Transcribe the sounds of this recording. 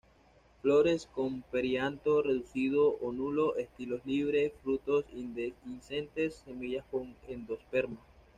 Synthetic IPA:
flo̞ɾe̞skompe̞ɾjant̪o̞re̞ðusið̞oʔonulo̞ʔest̪ilo̞zliβ̞ɾe̞sfɾut̪o̞sind̪einsent̪e̞sːe̞miʝaskoŋend̪o̞spe̞ɾmo

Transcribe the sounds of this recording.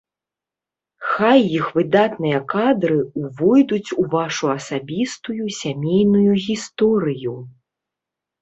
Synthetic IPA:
xajːixvɨd̪at̪nɨjɐkad̪ɾɨuvɔjd̪ut͡sʲuvaʂuɐsabʲist̪ujusʲamʲejnujuɣʲist̪ɔɾɨju

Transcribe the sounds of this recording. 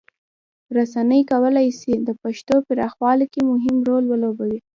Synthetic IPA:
ɾasanəjkawəlajsid̪əpaʃt̪opəɾɑxwɑlkemʊɦɪmɾolwəlobawi

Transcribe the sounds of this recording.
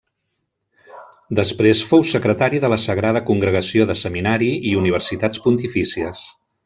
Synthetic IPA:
d̪əspɾesfowsəkɾət̪aɾiðələsəɣɾað̞əkuŋɡɾəɣ̞əsioðəsəminaɾiiuniβərsit̪at͡spunt̪ifisiəs

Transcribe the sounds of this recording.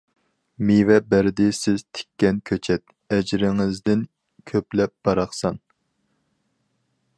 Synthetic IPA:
mivɛbæɾɪd̪ɪsɪz̥t̪ʰɪ̥kʲːɛnkʲʰøt͡ʃʰɛt̪̚ | ɛd͡ʒɾɪŋɪzd̪ɪn | kʲʰøplɛp̚b̥ɑɾɑχsɑn

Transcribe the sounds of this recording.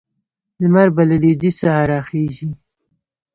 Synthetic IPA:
lmaɾbalaled͡ʒisaɦaɾɑxeʒi

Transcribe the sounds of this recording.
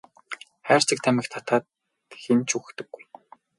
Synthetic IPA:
χæːr̥t͡sɘ̆k̚t̪ʰæmʲɪ̆xt̪ʰḁt̪aːt̪ | xent͡ɕʰuxt̪ɘ̆ɡːuj

